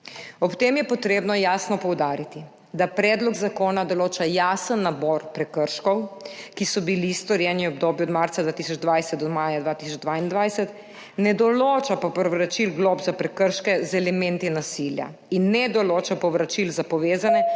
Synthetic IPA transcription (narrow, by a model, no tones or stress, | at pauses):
ɔpt̪eːmjɛpɔt̪ɾeːbnɔjaːsnɔpɔwd̪aːɾit̪i | d̪apɾɛːd̪lɔɡzakoːnad̪ɔloːt͡ʃajaːsənːabɔːɾpɾɛkəɾʃkɔwkisɔbilist̪ɔɾjɛniɔbd̪oːbjuɔd̪maɾt̪sad̪ʋaːt̪isɔd͡ʒd̪ʋajsɛt̪ɔmaːjad̪ʋaːt̪isɔd͡ʒd̪ʋaind̪ʋajsɛt̪ | nɛd̪ɔloːt͡ʃapɔpɾɔʋɾat͡ʃilɡloːbzapɾɛkəɾʃkɛzɛlɛmɛnt̪inasilja̰ | inːɛd̪ɔloːt͡ʃapɔʋɾat͡ʃilzapɔʋeːzanɛ